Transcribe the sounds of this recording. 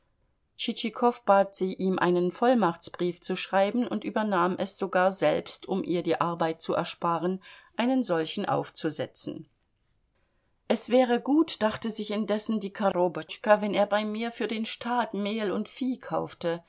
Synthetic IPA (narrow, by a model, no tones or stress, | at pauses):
t͡ʃit͡ʃikʰɔfb̥aːtz̥iːʔiːmʔa̰ɪnənfɔlmaχt͡sb̥ʁiːft͡suʃʁ̥aɪbn̩ʊ̰ntʔyːbɐnaːmʔɛsz̥oɡaːɐzɛlpstʊmʔḭːɐdiːʔaɐbaɪt̚t͡suʔɛ̰ɐʃpaːʁənʔaɪnənzɔlçn̩ʔa̰ʊft͡suzɛt͡sn̩ | ʔɛsv̥ɛːʁəɡuːtd̥aχtəzɪçɪndɛsn̩diːkʰaʁobɔt͡ʃkɐvɛneːɐbaɪmiːɐfyːɐdeːnʃtʰaːtmeːlʊntfiːkʰaʊftə